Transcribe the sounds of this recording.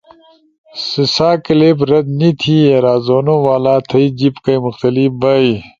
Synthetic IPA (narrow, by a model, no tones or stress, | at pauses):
sisaːkileːpɾɐd̪̚nit̪ʰiːeɾaːzoːnõːwaːlaːt̪ʰɐid͡ʑipkɐimʊxt̪ɐlibɐj